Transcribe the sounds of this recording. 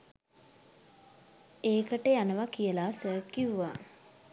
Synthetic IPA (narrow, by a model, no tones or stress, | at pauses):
eːkəʈəjanəʋakijəlaːsəːkiuʋa